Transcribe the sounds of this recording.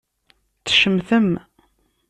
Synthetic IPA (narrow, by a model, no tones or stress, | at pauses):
t͡sːʃəmθəm